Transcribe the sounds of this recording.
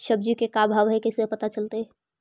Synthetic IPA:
ʃəb̚d͡ʒikekabʱaʋɦɛkesepət̪at͡ʃəlt̪e

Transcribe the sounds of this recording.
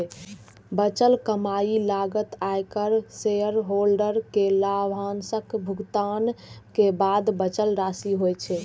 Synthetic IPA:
bət͡ʃəlkəmailaɡət̪ajkəɾseəɾɦolɖəɾkelabʱansəkbʱuɡt̪ankebad̪bət͡ʃəlɾasiɦojt͡ʃʰɛ

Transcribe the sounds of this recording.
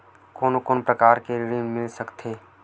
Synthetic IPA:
koːnokoːnpɾəkaːɾkeɾɪɾiːnmɪlsəkt̪ʰeː

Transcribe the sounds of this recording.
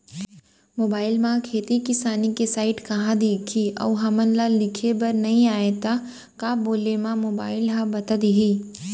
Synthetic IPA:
moːbaːɪlmãkʰeːt̪ikɪsaːnikesaːɪʈkɐɦãd̪eːkʰiɔ̰ːʋɦɐmənlalɪkʰebɐɾnɐɦĩaːet̪a | kaːboːlemãmoːbaːɪlɦãbɐt̪əd̪iɦiː

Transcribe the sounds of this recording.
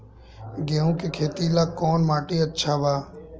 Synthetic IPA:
ɡeːõːkekʰeːt̪iːlaːkɔːnmaːʈiːətːʃʰaːbaː

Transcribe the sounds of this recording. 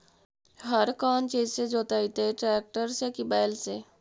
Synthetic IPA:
ɦəɾkaːnt͡ʃiːd͡ʒsed͡ʒoːt̪aːit̪eʈɾɛːk̚ʈəɾsekibaːɪlse

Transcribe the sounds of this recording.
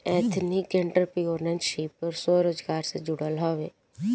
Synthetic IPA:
ɛːt̪ʰnikẽɳʈəɾpioːɾnənʃiːpəɾsoːɾoːd͡ʒɡaːɾsed͡ʒʊɽəlɦɔːʋeː

